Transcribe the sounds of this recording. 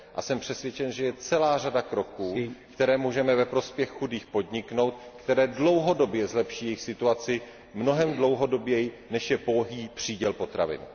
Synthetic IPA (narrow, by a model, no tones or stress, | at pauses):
ʔasɛmpr̝̥ɛsvjɛt͡ʃɛnʒɛjɛt͡sɛlaːradakɾo̞kuːkt̪ɛɾɛːmuːʒɛmɛvɛpɾo̞spjɛxxudiːxpo̞dɲɪkno̞wt̪̚kt̪ɛɾɛːdlo̞wɦodo̞bjɛzlɛpʃiːjɛjxsɪt̪uat͡sɪ | mno̞ɦɛmdlo̞wɦo̞do̞bjɛjɪ | nɛʃjɛpoɦiːpr̝̥iːɟɛlpo̞t̪ɾa̰vɪ̰n